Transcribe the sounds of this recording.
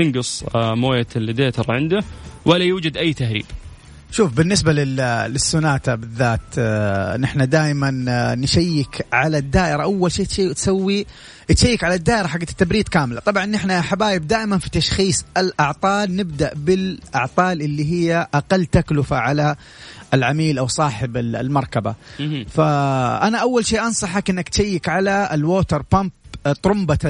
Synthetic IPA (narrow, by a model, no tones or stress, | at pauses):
t̪ɪŋɡɨsˤmoːjald̪eːt̪ɑɾˤʕɪnd̪awalːajuːd͡ʒad̪ʔajːt̪ahɾḭːb | ʃuːfbɪnːɪsbalɪlɪsːʊnaːt̪abɪðːaːt̪nʔɪħnad̪aːjmanːʃajːɪkʕalad̪ːaːʔɪɾaʔawːalʃeːt̪ʃeːt̪sawːi | ʔt̪ʃajːɪkʕalad̪ːaːʔɪɾaħaɡːat̪ːabɾiːt̪kaːmɪlat̪ˤɑbʕɑnʔɪħnaħabaːjɪb̚d̪aːʔɪmanfi̥t̪aʃxiːsˤʔɪlʔɑʕt̪ˤɑːlnɪbd̪aʔbɪlʔɑʕt̪ˤɑːlʔɪlːiɦɪjːaʔaqɑlːt̪aklʊfaʕala | ɪlʕamiːlʔawsˤɑːħɪbɪ̰lmɑɾˤkaba̰faʔanaʔawːalʃeːʔɑnsˤɑħakʔɪnːakt̪ʃajːɪkʕalaɪlwoːt̪ɑɾˤpamp̚t̪ˤɾʊmba